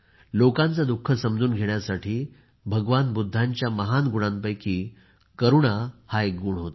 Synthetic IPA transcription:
lokãnt͡sad̪ukʰːəsəmd͡zuːnɡʱeɳjasaʈʰiː | bʱəɡʋanbud̪ʱːaɲt͡ɕjaməɦanɡuɽ̃ãmpəjkiː | kəɾuɳahaekɡuːɳɦot̪

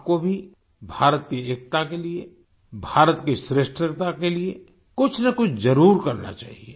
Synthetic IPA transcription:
p̚kobʱi | bʱaːɾət̪kieːk̚t̪akelie | bʱaːɾət̪kisɾeːʃʈɾəkt̪akelie | kʊt͡ʃʰnɐkʊt͡ʃʰzɐɾuːɾkɐɾna̰t͡ʃa̰ːɦie

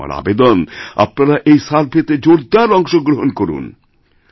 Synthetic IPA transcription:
a̰ɾa̰bed̪ona̰pnaɾaʔejsaɾpʰet̪ed͡ʑoɾd̪aɾɔŋʃoɡɾoɦonkoɾṵn

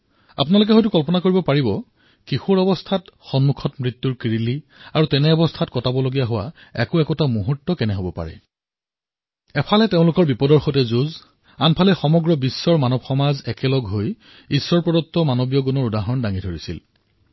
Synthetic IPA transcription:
a̰pʊnalʊk̬ɛɦɔjt̬ʊkɔlpɔnakoɹibɔpaɹibɔ | kixuɹɔbɔstʰatxɔnmukʰɔtmɹit̪ːuɹkiɹili | aɹutɛnɛɔbɔstʰatkɔtabɔloɡijaɦʊwa̰ | ɛ̰kʊɛkɔtamuɦutːɔkɛnɛɦobɔpa̰ɹɛ̰ | ɛpʰalɛteʊ̃lʊkɔɹbipɔdɔɹxɔtɛzuz | anpʰalɛxɔmɔɡɹɔbisːɔɹmanɔbxɔmazɛkɛlɔɡɦoj | isːɔɹpɹɔdɔtːɔmanɔbijɔɡɔnɔɹudaɦɔndaŋidʱoɹisḭl

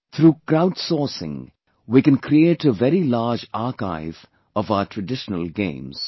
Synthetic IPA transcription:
t̪ʰɾuːkɾaʊɖsɔːsɪ̰̃ŋ | wikɨ̃nkʰɾieːʈəvɛɾilaːd͡ʒaːka̰ɪv | ɔvaʊəʈʰɹəɖɪʃənəlɡḛ̃ɪ̃mz̥

